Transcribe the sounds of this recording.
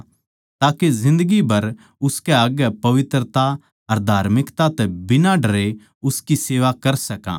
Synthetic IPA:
t̪aːkezɪ̃nd̪əɡibɐɾ | ʊskɛɐɡɛpɐʋɪt̪ɾət̪a | ɐɾd̪ʱaːɾmɪkt̪at̪ɛbɪnaɖɐɾe | ʊskiseːʋakɐɾsɐkã̰ː

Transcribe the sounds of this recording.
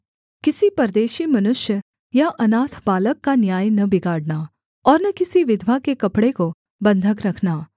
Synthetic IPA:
kɪsipɐɾd̪eːʃimɐnʊʃjə | jaʔɐnaːt̪ʰbaːləkːanjaːjnɐbɪɡaːɽnaː | ɔːɾnɐkɪsiʋɪd̪ʱʋakekɐpɽeko | bɐ̃nd̪ʱəkɾɐkʰnaː

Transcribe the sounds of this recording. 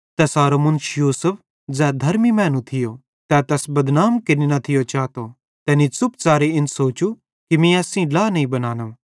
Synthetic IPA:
t̪ɛsaːɾomʊnt͡ʃjuːsʊpʰ | d͡zɛːd̪ʱɐɾmimɛ̃ːnũt̪ʰɪjo | t̪ɛt̪ɛsbɐd̪naːmkɪninɐt̪ʰɪjot͡ʃaːt̪o | t̪ɛːnisʊpt͡saːɾeɪnsoːt͡ʃu | kimĩɐsĩlaːnɐĩbɐnaːnɐ

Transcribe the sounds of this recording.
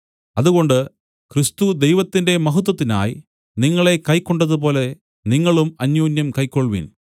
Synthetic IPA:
ɐðuɣo̞ɳɖɨ | krist̪ud̪e̞jʋɐt̪ːinde̞mɐɦut̪̬ːwɐt̪ːina̰ːji | niŋːɐɭe̞kɐjkːoɳɖɐðup̬o̞ːle̞ | niŋːɐɭumɐnjoːnjɐmkɐjkːoɭʋḭn

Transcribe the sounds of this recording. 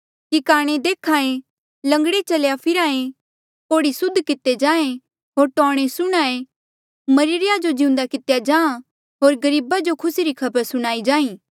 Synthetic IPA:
kikaːɽ̃ẽd̪eːkʰaːẽ | lɐ̃ŋɡɽet͡ʃɐljapʰɪɾaːẽ | koːɽisʊd̪ʱkɪt̪ːed͡ʒãːẽ | ɦoːɾʈɔːɽ̃esʊɽ̃aːẽ | mɐɾɪɾɪjad͡ʒod͡ʒɪ̃ʊ̃nd̪akɪt̪jad͡ʒãːã | ɦoːɾɡɐɾiːbad͡ʒokʰʊsiɾikʰɐbəɾsʊɽ̃aːid͡ʒaːĩː

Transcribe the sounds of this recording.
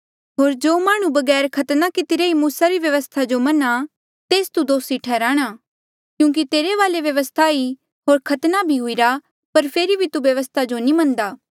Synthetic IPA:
ɦoːɾd͡ʒoːmaːɽ̃ũbɐɡɛːɾkʰɐt̪nakɪt̪ɪɾeimuːsaɾiʋjɐʋəst̪ʰad͡ʒomɐna | t̪eːst̪ud̪oːsiʈʰɛːɾaːɽ̃a | kjũːk̬it̪eːɾeʋaːleʋjɐʋəst̪ʰai | ɦoːɾkʰɐt̪nabʱiɦʊiɾa | pɐɾpʰeːɾibʱit̪uʋjɐʋəst̪ʰad͡ʒonĩmɐ̃nd̪aː

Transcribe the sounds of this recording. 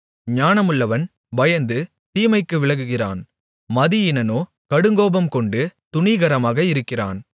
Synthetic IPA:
ɲaːnɐmɯɭːɐʋɐn | ʋɐjɐnd̪ɯ | t̪iːmɐɪkːɯʋɪɭɐɣɯɣɪra̰ːn | mɐðɪjɪnɐnoː | kɐɽɯŋɡoːbɐmkɔɳɖɯt̪ʊɳiɣɐɾɐmaːɣɐɪɾɯkːɪra̰ːn

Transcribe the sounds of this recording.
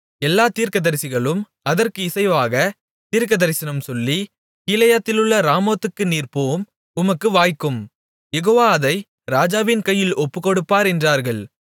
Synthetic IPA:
ɛlːaːt̪iːɾkɐðɐɾɪsɪɣɐɭɯm | ɐðɐɾkɯɪsɐɪʋaːɣɐ | t̪iːɾkɐðɐɾɪsɪnɐmsɔlːi | kiːlɐjɐt̪ːɪlɯɭːɐɾaːmoːt̪ːɯkːɯniːrpoːm | ʊmɐkːɯʋaːjkːɯm | jɛɣoːʋaːɐðɐɪ | ɾaːd͡ʒaːʋɪnkɐjːɪlɔpːɯkɔɽɯpːaːɾɛndraːɾɣɐɭ

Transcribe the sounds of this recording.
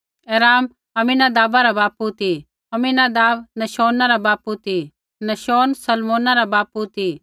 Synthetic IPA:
ɛːɾaːm | ɐmĩnad̪aːbaɾabaːput̪i | ɐminad̪aːbnɐʃoːnaɾabaːput̪i | nɐʃoːnsɐlmoːnaɾabaːput̪i

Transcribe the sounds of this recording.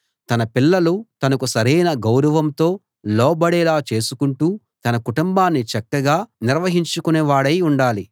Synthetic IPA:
t̪ɐnɐpilːɐlut̪ɐnɐkusɐɾɐjnɐɡɐwɾɐʋɐmt̪o̞ː | lɔːbɐɽɛːlaːt͡ʃe̞ːsukuɳʈuː | t̪ɐnɐkuʈumbaːnːit͡ʃɐkːɐɡaːniɾʋɐɦiɲt͡ʃukuneːʋaːɽɐjuɳɖaːli

